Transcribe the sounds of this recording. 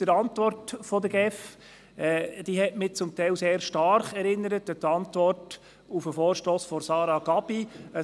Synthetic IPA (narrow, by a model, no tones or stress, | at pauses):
d̥əɾɑntʋɔrtfɔdəɡ̥ɛf | ɛːd̥iɦɛtmɪt͡sʊmtɛɪlseːɾʃtɑrχɛɾɪnːəɾətətɑntvɔrt | ufəfɔːɾʃtoːsfɔɾsɑːɾɑɡ̥ɑb̥iə